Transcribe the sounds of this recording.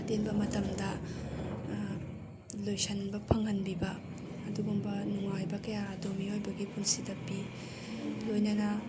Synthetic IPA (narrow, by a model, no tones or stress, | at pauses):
atenbɐmɐtɐmdɐ | lojsɐnbɐpʰɐŋɐnbibɐː | duɡumbɐnuŋajbɐkɐjaːdomiojbɐɡipunsidɐpi | lojnɐnɐ